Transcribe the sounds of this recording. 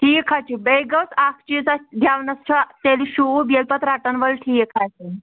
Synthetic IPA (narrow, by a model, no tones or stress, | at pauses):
ʈʰiːkʰat͡ɕibejɡəsakʰt͡ɕit͡sad̪ʱjaʋnəst͡ɕʰat̪eliɕubelpət̪ɾaʈənʋəlʈʰiːkʰajt͡ɕi